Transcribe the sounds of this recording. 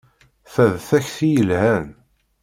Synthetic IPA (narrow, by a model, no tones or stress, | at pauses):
θæðθæçθijəlhæn